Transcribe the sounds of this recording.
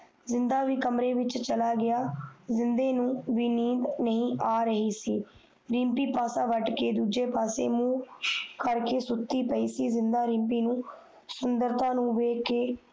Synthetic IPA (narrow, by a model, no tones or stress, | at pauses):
zɪnd̪aːʋiːkəmɾeːʋɪt͡ʃt͡ʃəlaːɡɪaːzɪnd̪eːnũːʋiːniːd̪nəɦĩːʔaːɾəɦiːsiː | ɾĩːmpiːpaːsãːʋəʈkeːd̪uːd͡ʒeːpaːsḛːmũːkəɾkeːsʊt̪ːiːpəiːsiːzɪnd̪aːɾĩːmpiːnũː | sʊnd̪əɾt̪ãːnũːʋeːkeː